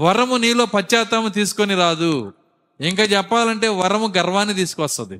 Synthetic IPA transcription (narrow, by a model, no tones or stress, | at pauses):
ʋɐɾɐmuniːlo̞ːpɐt͡ʃːaːt̪ɐmt̪̬iːsu̥koniɾaːd̪u | iŋkaːt͡ʃɛpːaːlɐɳʈe̞ːʋɐɾɐmuɡɐɾʋaːnːit̪̬iːsu̥kʋɐst̪ɐd̪ḭ